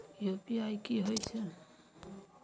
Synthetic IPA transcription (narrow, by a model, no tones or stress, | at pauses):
jupiajkiɦojtʰun